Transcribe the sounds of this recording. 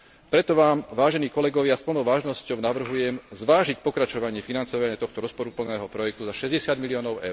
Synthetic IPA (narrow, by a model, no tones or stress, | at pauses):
pɾɛt̪ɔʋaːmʋaːʒɛniːkɔlɛɡɔʋɪaspl̩nɔʊʋaːʒnɔscɔʊnaʋr̩ɦujɛmzʋaːʒicpɔkɾat͡ʃɔʋaɲɪɛfinant͡sɔʋaɲɪat̪ɔxt̪ɔɾɔspɔɾupl̩nɛːɦɔpɾɔjɛk̚t̪uzaʃɛzɟɛsɪad̪miliɔːnɔʊɛ̰ʊɾ